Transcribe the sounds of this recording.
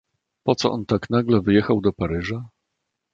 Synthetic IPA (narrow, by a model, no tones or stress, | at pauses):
pɔt̪sɔ̰ʔɔnt̪aknaɡlɛvɘjɛxawd̪ɔpaɾɘʐa